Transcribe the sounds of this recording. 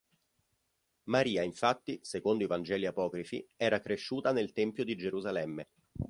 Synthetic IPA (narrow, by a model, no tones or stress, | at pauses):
maɾiːaiɱfat̪ːisekond̪oivand͡ʒɛːliapɔːkɾifḭɛːɾakɾeʃːuːt̪anelt̪ɛmpjod̪id͡ʒeɾuzalɛmːe